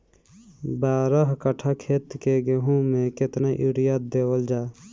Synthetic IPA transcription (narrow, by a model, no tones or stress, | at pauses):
baːɾəɦkəʈʰakʰeːt̪keɡeɦũmẽkɪt̪naʔiɽijat̪̚d̪eːwəld͡ʒaː